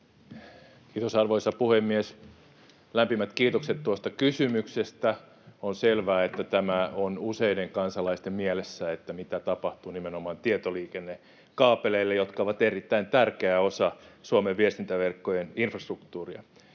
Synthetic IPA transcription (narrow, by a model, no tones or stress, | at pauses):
kiːt̪osɑrʋoisɑpuhemːies | læmpimæt̪kiːt̪okset̪t̪uost̪ɑkysymyksest̪æ | onselʋæːet̪ːæt̪æmæonuseideŋkɑnsɑlɑist̪emmielesːæet̪ːæmit̪æt̪ɑpɑht̪unimenomɑːnt̪iet̪oliːkenːe | kɑːpeleilːejot̪kɑoʋɑt̪erit̪ːæint̪ærkeæosɑsuomeʋʋiest̪int̪æʋerkːojeninfrɑst̪rukt̪uːriɑ